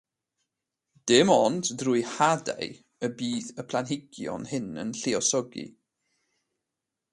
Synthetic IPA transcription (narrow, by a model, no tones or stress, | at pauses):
d̥ɪmɔnddruːjhada̰j | əbiːθəpʰlˠanɦɪɡ̥jɔ̰nhɪnə̰nɬeɔsɔɡḭ